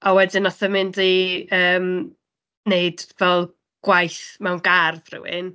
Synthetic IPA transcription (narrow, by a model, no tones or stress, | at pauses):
ɔwɛdɪnɔθəmɪndiəːm | neɨdvɛlˠ | ɡ̥wajθmɛwnɡarðrɪ̰wɪ̰n